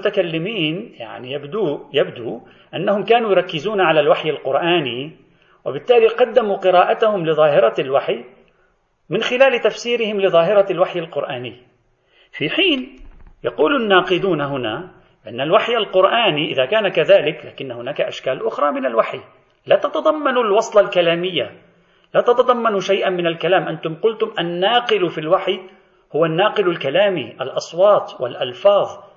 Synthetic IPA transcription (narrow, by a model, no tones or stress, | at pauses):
t̪akalːɪmiːnja̰ʕnijabd̪uːjabd̪u | ʔanːahʊmkaːnujɾˤɑkːɪzuːnaʕalalwaħjalqʊɾʔaːni | wɪbɪt̪ːaːliqɑd̪ːamuqɨɾɑːʔat̪ahʊmlɪðˤɑːɦɪɾˤɑlwaħj | mɪnxɪlaːlɪt̪afsiːɾɪhɪmlɪðˤɑːɦɪɾˤɑlwaħjalqʊɾʔaːnɪjː | fiːħiːnjɑquːlʊnːɑːqɨd̪uːnaɦʊna | bɪʔanːalwaħjalqʊɾʔaːniʔɪðaːkaːnakaðaːlɪkla̰ːkɪnːahʊnaːkaʔa̰ʃkaːlʔʊxɾˤɑmɪnalwaħj | laːt̪ɑt̪ɑd̪ˤɑmːɑnulwɑsˤlɑlkalaːmɪjːa | laːt̪ɑt̪ɑd̪ˤɑmːɑnuʃajʔamɪnalkalaːmʔant̪ʊmqʊlt̪ʊmʔanːaːqɪlfilwaħj | hʊwanːɑːqɪlalkalaːmiʔa̰lʔɑsˤwɑːt̪ˤwɪ̰lʔalfɑːðˤ